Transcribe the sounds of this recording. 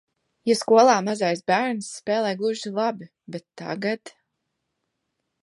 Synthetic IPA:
jaskuɔlˠaːmazajsbæɾnsːpɛːlˠɛjɡlˠuʒilˠabi | bet̪ːa̰ɡat̪

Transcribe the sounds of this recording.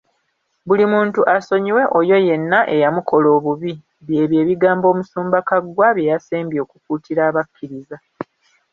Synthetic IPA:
bulimuːntuʔaso̞ɲiwe̞ʔojo̞je̞nːaʔe̞jamukʰo̞lo̞ːβuβi | βje̞ːβje̞ːβiɡaːmbo̞ːmusuːmbakaɡwaβje̞jaseːmbjo̞ːkukuːtiɾaːβakːiɾiza

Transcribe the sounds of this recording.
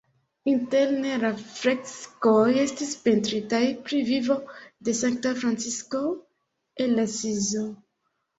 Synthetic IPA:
intelneɾafɾekskojestispentɾitajpɾivivodesaŋk̚tafɾant͡sisko | enːasizo

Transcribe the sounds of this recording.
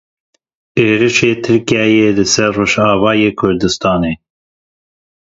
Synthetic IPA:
eːɾɨʃeːt̪ʰɨɾkiɛjeːlɨsɛɾːoːʒɑːvɑːjeːkʰʊɾd̪ɨst̪ɑːneː

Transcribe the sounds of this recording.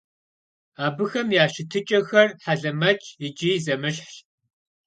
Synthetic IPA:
aːbɨxɐmjaːʃɪtʰɨt͡ʃʼɐxɐrħaɮɐmɐt͡ʃʼɪd͡ʒʼizɐmɨɕħɬ

